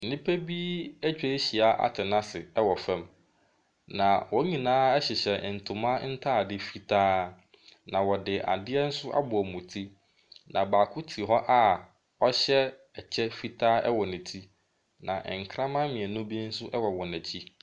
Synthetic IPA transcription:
n̩˨nɪ̃˦pʰæ˦bi˦æ˦t͡ɕᶣe˦ɕi˨a˨ʔa̰˨tʰɪ˨nã˦sɪ˨ɛ˦wɔ˨fɛ̃˦m | nã˨wɔ˦ɲĩ˨nãː˦ɛ˦ɕɪ˨ɕɛ˨n̩˨tʰʊ̃˨mã˦n̩˦tʰaː˦˨dɪ˦fi˦tʰaː˦ | nã˨wɔ˨dɪ˨ʔa̰˨dɪ˦ɛ˦n̩˦sʊ˦ʔa̰˦bʊ˨ɔ˨mũ˨tʰi˦ | nʔã̰˨baː˨kʰʊ˦tʰi˨ɦɔ˦ʔa˦ | ɔ˦ɕɛ˦ | ɛ˨t͡ɕʰɛ˦fi˦tʰaː˦ɛ̰˦wɔ˨nɪ̃˨tʰi˦ | nã˨ʔɛ̰˨ŋ̩˨kʰɾã˦mã˦mɪ̃˨ɛ˨nʊ̃˦bi˦n̩˦sʊ˦ʔɛ˦wɔ˨wɔ˨næ̃˨t͡ɕʰi˦

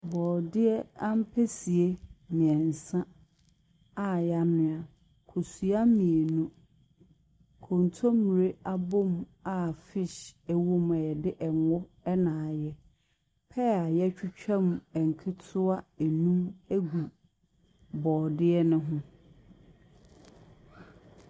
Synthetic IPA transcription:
bɔː˨dɪ˦ɛ˦a˦m̩˦pʰɛ˦si˨e˦mĩ˨ɛ̃˨n˨sã˦ | a˨ja˦nɪ̃˦a˨ | kʰo˨su˨a˦mĩ˨e˨nũ˦ | kʰõ˨n˨tʰo˦mi˨ɾe˦ʔa˦bo˦ma˨fɪ˦ʃɛ˦wo˦mɛ˨ɛ˨dɪ˦ʔɛ˨ŋɔ˦ | ɛ˦nãː˨jɛ˦ | pʰɛ˦a˨jɛ˦t͡ɕᶣʊ˦t͡ɕᶣɛ̃˦m˨ɛ˨ŋ̩˨kʰɪ˦tʰʊ˦a˦e˨nũ˦mæ˦ɡu˨ | bɔː˨dɪ˦ɛ˦nʊ̃˦ɦʊ̃˦

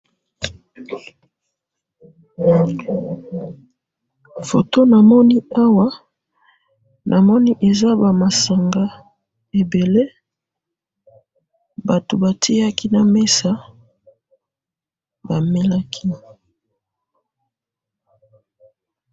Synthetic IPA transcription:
fo̰˨to˦na˨mɔ˦ni˦a˦wa˦ | nʔa˨mɔ˦ni˦ʔe˨za˦ba˨ma˨sa˨ŋɡa˦ | e˨be˨le˦ | ba˨to˨ba˨tʰi˦a˦ki˦na˨me˦sa˦ | ba˨me˦la˦kʰi˦

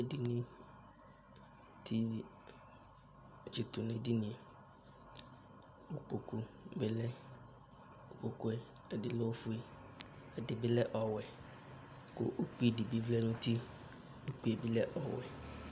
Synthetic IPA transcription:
e˨di˨nĩ˦ | t̪ʰi˦˨ | t͡ʃi˨t̪ʊ˨nẽ˨di˦nĩ˨ɛ˨ | o˦k͡po˨ku˦be˦lɛ˦ | o˨k͡po˨kʊ˦ɛ˦ɛ˨dɪ˨lɛ˦wo˦fʊ˦e˦ɛ˨dɪ˨bɪ˦lɛ˦ʔɔ˨wɛ˨ | kʊ̰˦ʔo˦k͡pi˦e˨di˨bi˦vlɛ˦nʊ̃˦t̪i˦ | o˦k͡pi˦e˨bi˦lɛ˦ʔɔ˨wɛ̰˨

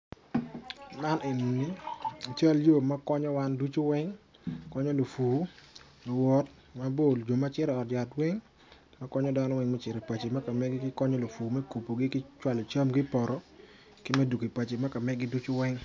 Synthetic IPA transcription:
ma˦ne˨n˨ni˦a˨t͡ʃa˦ljo˦˨ma˦kɔ˦ɲɔ˦wa˦ndu˦t͡ʃo˦wɛ˦ŋ | kɔ˦ɲɔ˦lo˨fuː˨ | lo˨wɔ˨t | ma˦bo˦˨ld͡ʒo˨ma˦t͡ʃɪ˦ɾɛ˨ɔ˨tja˨twɛ˦ŋ | ma˦kɔ˦ɲɔ˦da˦nɔ˦wɛ˨ŋmɛ˦t͡ʃɪ˨ɾe˨pa˨t͡ʃe˨ma˦ka˨mɛ˦ɡɪ˦kɪ˦kɔ˦ɲɔ˦lo˨fuː˨mɛ˦ku˨po˨ɡɪ˦kɪ˦t͡ʃwa˦lɔ˨t͡ʃa˦mɡɪ˦pɔ˨ɾɔ˨ | kɪ˦mɛ˦du˨ki˨pa˨t͡ʃe˨ma˦ka˨mɛ˦ɡɪ˦du˦t͡ʃo˦wɛ˦ŋ

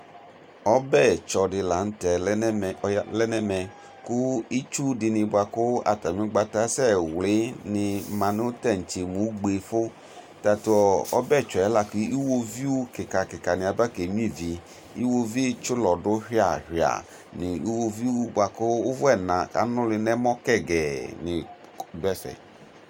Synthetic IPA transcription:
ɔ˦bɛ˦˨t͡ʃɔ˨dɪ˨la˨n̩˦tɛ˨˦˨lɛ˦nɛ˦mɛ˨ | kʊ˦i˦t͡ʃu˦dɪ˨nɪ̃˧bʊ˨a˨kʊ˦a̰˨ta˨mĩ˦ɡ͡ba˨ta˦sɛ˦wlɪ˨˦nɪ̃˧mã˨n˦o˦tɛ˦˨n̩˨t͡ʃe˨mũ˨˦ɡ͡be˨fʊ˦ | ta˨tʊ˦ɔ˨ɔ̰˦bɛ˦˨t͡ʃɔ˨ɛ˦la˦ki˦i˦wo˦vi˦wo˦kɪ˨ka˨kɪ˨ka˨nɪ̃˨a˨ba˦ke˨ɲũ˦ĩ˦˨vi˨ | i˦wo˦vi˦t͡ʃʊ˦lɔ˨dʊ˦hi˦a˨hi˨a̰˨ | nɪ˨i˦wo˦vi˦o˦bʷa˨kʊ˦ʊ˦vʊ˦ɛ˨nã˨ka̰˨˦nʊ̃˦lɪ˨nɛ˦mɔ˦kɛ˦˨ɡɛ˨nɪ˨ | bɛ˦sɛ̰˨

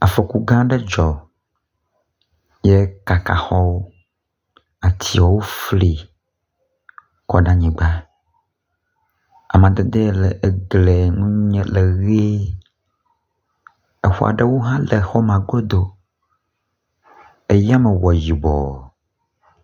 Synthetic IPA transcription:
a˨fe˨ku˦ɡã˦ɖe˦d͡ʒɔ˨ | je˦ka˨ka˨xɔ˦wo˦ | a˨t̪ʰi˦wɔ˨wo˦fli˨ | kɔ˨ɖã˦ɲĩ˨ɡ͡ba˦ | a̰˨mã˨d̪e˨d̪e˦le˨ʔe˨ɡle˨ŋũ˦ũ˦ɲɛ̃˦le˨ɣe˦ | e˨xu˦a̰˨ɖe˦wo˦ɦã˦le˨xɔ˦mã˨ɡo˦d̪o˨ | e˨ja˦me˨wɔ˨ji˨bɔ̰˨

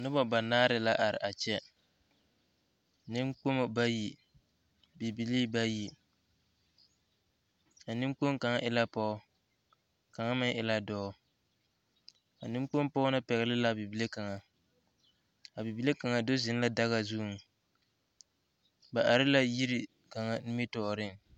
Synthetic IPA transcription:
nʊ˦bɔ˨ba˨naː˦ɾɪ˦la˦ʔa˨ɾɪ̰˨ʔa˨t͡ʃɛ˦ | nɪ˦ŋk͡po˦mo˨ba˦ji˨ | bi˨bi˨liː˦ba˦ji˨ | a˨nɪ˦mk͡po˦ŋ˦ka˨ŋa˦ʔɪ˦la˦pɔ˦ | ka˨ŋa˦mɪ˦ŋʔɪ˨la˦dɔː˦ | ka̰˨nɪ˦m˦k͡po˦m˦pɔ˦na˦pɛ˨ɣɪ˨lɪ˦la˨bi˨bi˨le˦ka˨ŋa˨ | a˨bi˨bi˨le˦ka˨ŋa˨do˦zɪ˨n˦la˦da˦ɣa˨zu˦˨ŋ˨ | ba˨ʔa˨ɾɪ˦la˦ji˦ɾi˨ | ka˨ŋa˦nɪ˦mi˦tɔ˨ɾɪ˦ŋ˨

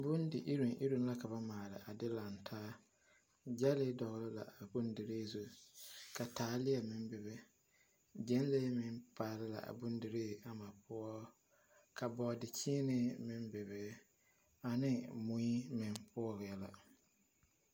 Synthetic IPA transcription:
bʊ˦n˦dɪ˨ʔi˦ɾu˨nʔḭ˦ɾu˦n˦la˦ka˨βa˦maː˨lɪ̰˨ʔa˨dɪ˦la˨ntʰaː˦ | d͡ʒa˦lɪ˦dɔ˨ɣɪ˦lɪ˦la̰˨a˨bu˦n˦dɪ˨ɾeː˦˨su˨ka˨taː˨˦lɪ˦ɛ˨mɪ˨n˦be˨be˦ | d͡ʒɛ˦n˦le˦mɪ˨npʰa˨lɪ˦la̰˨ʔa̰˨bu˦ndɪ˨ɾeː˦˨a˨ma˨pʰʊ˦ɔ˦ | kʰa˨bɔ˨dɪ˨t͡ʃʰi˦nɪ˦mɪ˨mbɪ˨be˨˦ | a˨nɪ˦mũ˨i˦mɪ̃˨npʰʊ˦ɔ˦˨ɣɪ˨jɛ˦la̰˨

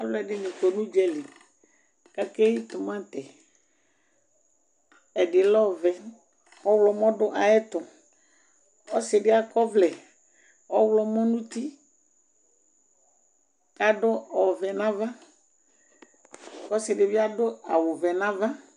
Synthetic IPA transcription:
a˦llɔ˦ɛ˨ɖɪ˦nẽ˨ko˨nũ˦d͡ʒɛ˦li˨ | ka˦ke˦ji˦t̪ʊ˨mã˦t̪ɛ˨ | ɛ˨ɖɪ˨lɔ˦˨vɛ˨ | ɔ˦wlɔ˨mɔ̃˦ɖʊ˦ʔa˨ɛ˦t̪ɔ˨ | ɔ˦sɪ˨ɖɪ˦a˨kɔ˦vlɛ˨ | ɔ˦wlɔ˦mɔ̃˦nũ˦t̪i˦ | a˨ɖʊ˦ɔ˨vɛ˨nã˦va˦ | kɔ˦sɪ˨ɖɪ˨vi˦a˦ɖo˦a˨wo˨vɛ˨nã˦vã˦

